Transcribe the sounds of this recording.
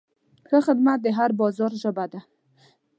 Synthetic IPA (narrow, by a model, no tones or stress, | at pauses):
kəxəd̪mat̪̚d̪eɦaɾbɔzɔɾʒəbad̪a